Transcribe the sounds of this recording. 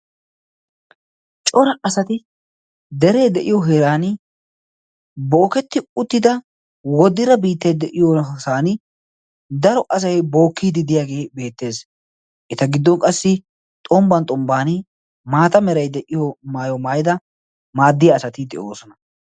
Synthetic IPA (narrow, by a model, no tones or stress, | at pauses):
t͡ʃʼɔɾɐɐsɐt̪ɪ | d̪ɛɾejd̪ɛʔɪjɔɦeːɾaːn | boːkɛt̪ːɪʊt̪ːɪd̪ɐ | wɔd̪ɪɾɐbiːt̪ːɐjd̪ɛʔɪjɔsaːn | d̪ɐɾɔʔɐs̬ɐjbo̞ːkːiːd̪ɪd̪ɪjaːɡe̞ːbe̞ːt̪ːe̞ːs | ʔɛt̪ɐɡɪd̪ːɔkʼɐsːɪ | t̪ʼɔmbɐnt̪ʼɔmbaːnɪ | maːt̪ɐmɛɾɐjd̪ɛʔɪjɔmaːjɔmaːjɪd̪ɐ | maːd̪ːɪjɐːsɐt̪ɪd̪ɛ̰ʔo̞ːsɔnɐ